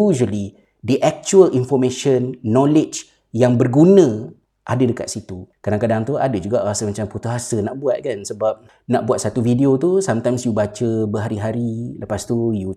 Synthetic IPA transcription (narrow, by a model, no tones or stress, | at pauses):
uʒəli | dəʔɛk̚t͡ʃuəlinfɔrmẽʃənːɔ̃lɪt͡ʃ | jaŋbərɡunə̃ | ʔadədəka̰t̪̚sit̪ukadaŋkadaŋt̪uadəd͡ʒuɡaʔasəmat͡ʃamput̪uɦasənaʔbuat̪̚kansəbap̚ | naʔbuat̪̚sat̪ufidiot̪usamt̪aŋsjubat͡ʃəbəɦaɾiɦaɾiləpast̪uju